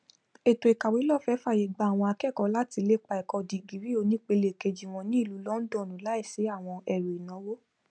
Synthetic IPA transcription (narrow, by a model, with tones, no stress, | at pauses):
e˨to˨i˨ka˨we˨˦lɔ˦˨fɛ˨˦fa˦˨je˨ɡ͡ba˧˦a˨w̃ɔ̃˧a˧kɛ˦˨kɔ˧˦la˦ti˧le˦k͡pa˧ɛ˨kɔ˧di˨ɡi˨˦ɾi˦o˧nĩ˦k͡pe˧le˨ke˧˨d͡ʒi˨w̃ɔ̃˧nĩ˦i˦˨lu˨˦lɔ˦n̩˦dɔ̃˦˨nũ˨˦la˨˦i˦˨se˨˦a˦˨w̃ɔ̃˧ɛ˨ɾe˨i˨nɔ̃˨˦wo˦